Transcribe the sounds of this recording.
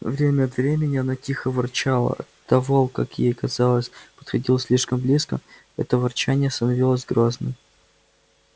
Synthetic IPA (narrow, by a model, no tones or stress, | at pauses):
vɾʲemʲəɐt̪vɾʲemʲɪnʲɪɐnatʲixəvɐrt͡ɕalˠə̰ɐ̰t̪ːɐvolˠka̰kjejkɐzɑlˠəsʲpə̥t̪xɐdʲilˠəsʲlʲiʂkəmblʲiskə | ɛ̰t̪əvɐrt͡ɕænʲɪjəst̪ənɐvʲilˠəzʲɡɾoznɨ̰j